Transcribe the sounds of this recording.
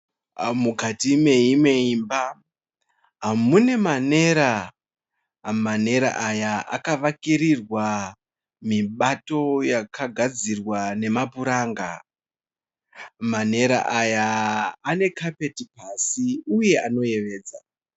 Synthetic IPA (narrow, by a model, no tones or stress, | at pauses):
mukatime̞ime̞imba | ɦamune̞mane̞ɾa | mane̞ɾa̰ʔajaa̰kaʋakiɾirwa | miɓato̞jakaɡʱad͡zirwane̞mapuɾaːŋɡa | mane̞ɾa̰ʔajaː | ne̞kʰape̞tipasiuje̞ano̞je̞ʋe̞ːd͡za